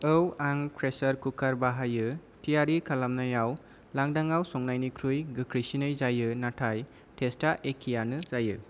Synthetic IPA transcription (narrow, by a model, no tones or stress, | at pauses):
ɯwaŋpʰɾesɐɾkukʰaɾbaɦajɯ | tʰijaɾikʰalamnajaw | laŋdaŋawsɔŋnajnikʰɾujɡɯkʰɾisinɯjzajɯnatʰaj | tʰestaʔekʰijanɯzajɯ